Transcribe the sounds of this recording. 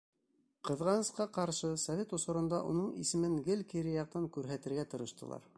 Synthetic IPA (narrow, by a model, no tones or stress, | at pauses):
qɤ̆ðʁɑnɤ̆sqɑqɑɾʃɤsɐvʲet̪ŏsŏɾɤ̆nd̪ɑʔṵnɤɴḭsɘ̆mɘŋɡɘlkiɾɘjɑq̚t̪ɑŋkʉɾɦæt̪ɘ̆ɾɡæt̪ŏɾɤ̆ʃt̪ɤ̰̆lˠɑ̰ɾ